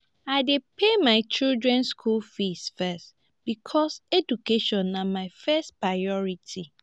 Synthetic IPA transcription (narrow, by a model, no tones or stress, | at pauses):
aɪdepʰemãɪt͡ʃildɹɛ̃nskʰulfisfɛst | b̥ikʰɔsedukʰeʃɔ̃nːãmãɪfɛstpɹaɪɔɹitʰi